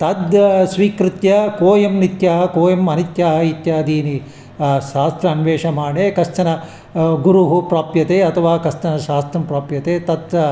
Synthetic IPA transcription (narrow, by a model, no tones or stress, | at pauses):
t̪ɐd̪sʋiːkɾɪt̪jɐkoːjɐmnit̪jɐɦɐkoːjɐmɐnit̪jaːɦɐit̪jaːd̪ʱiːni | ʃaːst̪ɾɐːnʋeːʂɐmaːɳeːkɐst̪ɐnɐ | ɡuɾuɦupɾaːpjɐt̪eːɐt̪ʰɐʋaːkɐst̪ɐnɐʃaːst̪ɾɐmpɾaːpjɐt̪eːt̪ɐd̪